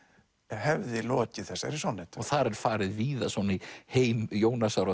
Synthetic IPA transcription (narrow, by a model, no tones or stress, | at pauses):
ɛɦɛvðɪlɔːcɪθɛsːaɛɾisɔwnːɪt̪ɔɣθaɾɛɾ̥faːɾɪðviːðasɔniheːjmjoːwnasawɾa